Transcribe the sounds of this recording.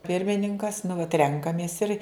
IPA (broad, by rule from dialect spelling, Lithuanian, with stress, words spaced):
ˈpʲɪrʲmʲɪnʲɪŋkɐs nʊ ʋɐt ˈrʲɛŋkɐmʲeːs ɪr